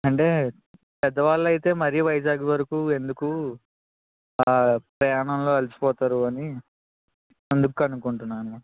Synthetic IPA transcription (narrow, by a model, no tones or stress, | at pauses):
ɐɳʈe̞ː | pɛd̪ɐʋaːɭːɐjt̪e̞ːmɐɾijuʋɐjɐd͡ʒaːɡuʋɐɾɐkuːe̞nd̪uku | pɾɐjaːɳɐmlo̞ːɐlisi̥pɔːt̪aːɾuɐni | end̪ukuɐnukuɳʈunːaːnu